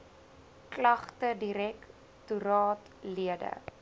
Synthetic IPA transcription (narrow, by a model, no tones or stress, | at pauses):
klɐχtədiɾɛk | tuɾɑːt | liədə̰